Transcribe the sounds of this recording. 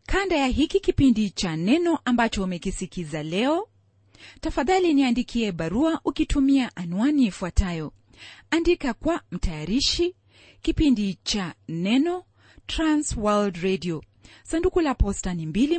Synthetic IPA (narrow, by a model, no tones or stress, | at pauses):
kʰandajaɦikikipindit͡ʃanɛnɔʔambat͡ʃɔumɛkisikizalɛɔ | tafaðaliniandikʰiɛɓaɾuaʔukitʰumiaʔanuwaniːfuatʰajɔ | andikakwam̩tʰajaɾiʃi | kipindit͡ʃanɛnɔ | tɾanswaldɾɛdiɔ | sandukulapɔstanimbili